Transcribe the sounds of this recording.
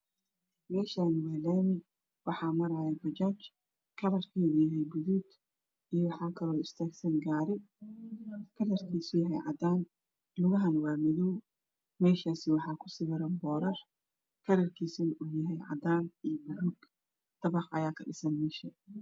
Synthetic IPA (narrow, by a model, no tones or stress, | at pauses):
mɛːʃaːnwɛːlɛn | wɑħɑːmɐɾaːjɛbɐt͡ʃaːt͡ʃ | kʰɐɾɐrkʰiujɐɦɛjɡʊðuːd̪ | ijɔwɑħɑːkʰɐlɔːɪst̪ʰaːɡsɐnɡaːɾɪ | kʰɐɾɐrkʰiːsʊjɐɦɛ̰jʕɑ̰d̪aːn | lʊɣɐɦɐnwaːmɪðuw | mɛːʃaːsɪwɑħɑːkʰʊ̥sɪβɪɾɐnbɔːɾɐr | kʰɐɾɐrkʰiːsɐnʔujɐɦɛjʕɑ̰d̪aːnijbʊɾʊɡ | t̪ʰɐβɑqʔɐjaːkʰɐɖɪsɐnmɛːʃɐ